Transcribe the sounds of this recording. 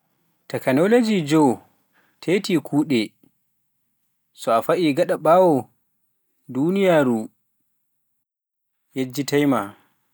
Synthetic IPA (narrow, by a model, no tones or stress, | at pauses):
tɛkanɔlod͡ʒid͡ʒɔ | tʰetikʰuːɗɛ | sɔafaʔiɡaɗaɓawɔ | duːnijaːɾu | jed͡ʒːitajma